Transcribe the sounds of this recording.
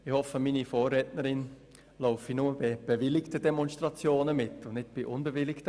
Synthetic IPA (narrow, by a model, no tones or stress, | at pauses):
ɪhɔfəminifoːrːɛtnəɾɪn | loʊfinuməbɪb̥evɪlɪktədɛmɔnstʁɑt͡sjoːnəmɪtːʊndnɪt̚b̥ɪʔʊnbəvɪlɪktə